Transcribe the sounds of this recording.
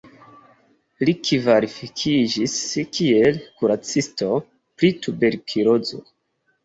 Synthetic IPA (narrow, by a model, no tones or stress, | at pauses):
likivaɾifikʰid͡ʒiskielkuɾat͡sisto̞ | pɾitube̞ɾkʰiɾozo̰